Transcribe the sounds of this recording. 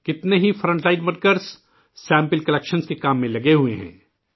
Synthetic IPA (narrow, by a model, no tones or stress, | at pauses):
kɪt̪neɦifɾə̃ɳʈlaːɪʈmɐɾkəɾs | sɛ̃ːmpɪlkɐlɛkʃənskekaːmːẽlɐɡeɦueɦɛ̰̃ː